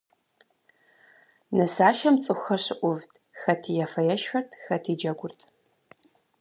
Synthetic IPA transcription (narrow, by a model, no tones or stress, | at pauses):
nɨsaːʃɐmt͡sʼɨxɐɕɪʔʷʊvtʰ | xɐtʰijɛfɐjɛʃxɐrtʰxɐtʰiːd͡ʒɐɡʷʊrtʰ